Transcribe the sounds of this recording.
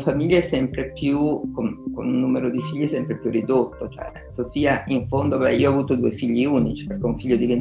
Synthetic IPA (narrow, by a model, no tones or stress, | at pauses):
famiʎːaɛsːɛmpɾepjukonko̰nunːuːmeɾod̪ifiʎːiɛsɛmpɾepjurːid̪ot̪ːot͡ʃoɛ̰ | sofiːaiɱfond̪obɛ̰iːoɔavuːt̪od̪uːefiʎːiuːnit͡ʃi̥perkɛuɱfiʎːod̪iven